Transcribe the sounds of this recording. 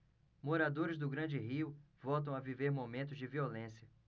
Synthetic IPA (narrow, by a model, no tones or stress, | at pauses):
moɾad̪oɾɪzd̪ʊɡɾɐ̃d͡ʒɪɦiʊvɔwt̪̬ɐ̃w̃aviveɾmomẽnt̪ʊzd͡ʒɪviolẽsiɐ